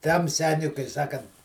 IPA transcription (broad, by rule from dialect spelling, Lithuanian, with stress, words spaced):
ˈtɐm ˈsʲæːnʲʊɪ kɐɪ ˈsɑːkɐnt